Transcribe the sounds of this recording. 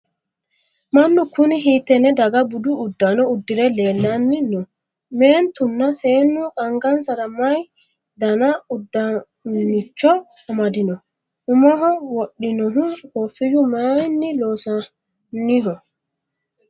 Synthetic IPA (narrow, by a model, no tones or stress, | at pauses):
manːukʰuniɦitɛnɛdaɡabuduːdːanɔudːiɾɛlɛlːanːinɔ | mɛntunːasɛnːukaŋɡansaɾamaj | danaudːa | nit͡ʃːɔ | amadinɔ | ʔumɔɦɔwoɗːinɔɦukɔfid͡ʒumanːilɔsa | niɦɔ